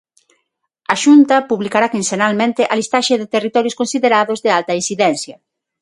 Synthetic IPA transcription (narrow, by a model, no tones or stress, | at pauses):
ɐʃunt̪ɐpuβlikaɾakinsenalmẽnt̪ɪʔalist̪aʃeðɪt̪erit̪ɔɾjʊskonsiðeɾaðʊzðɪalt̪ɐinsiðɛnθjɐ